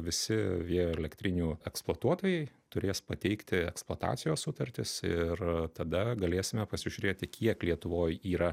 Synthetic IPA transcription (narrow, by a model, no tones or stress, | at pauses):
ʋʲɪsʲɪʋʲiɛjoɛlʲɛkt̪ʲɾʲɪnʲuːɛksplˠuɔt̪uɔt̪oːjɛɪ | t̪ʊɾʲeːspɐt̪ʲɛɪkt̪ʲɪɛksplˠoːt̪ɑ̰ːt̪sʲɪjoːssʊt̪ɐɾʲt̪ʲɪsɪrt̪ɐd̪ɐɡɐlʲeːsʲɪmʲɛpɐsʲɪʒʲʊɾʲeːt̪ʲɪkʲʰiɛklʲiɛt̪ʊʋoːjiːɾɐ